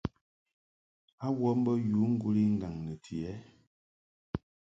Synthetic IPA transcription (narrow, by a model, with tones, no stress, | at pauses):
a˦wɔ˦m˦bə˦ju˨˦ŋ̩˦ɡu˦li˦ŋ̩˦ɡa˨ŋnə˨tʰi˨ɛ˨˦